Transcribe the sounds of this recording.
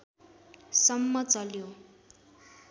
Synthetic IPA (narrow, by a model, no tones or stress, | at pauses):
sʌmːʌt͡sʌljo